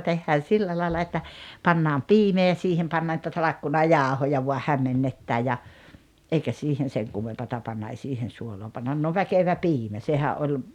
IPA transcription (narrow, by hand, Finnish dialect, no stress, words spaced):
tehːæːn silːæ lɑilɑ etːæ pɑnːɑːm piːmeː jɑ siːhem pɑnːɑː nĭtæ tɑlɑkːunɑjɑˑohojɑ ʋuɑ hæmːenːetːæ jɑ ʔeikæ siːhen̞ seŋ kumːempɑtɑ pɑnːɑ ei siːhen̞ suoloː pɑnːɑn no ʋækeʋæ piːmæ sehæʔ ʔolʲ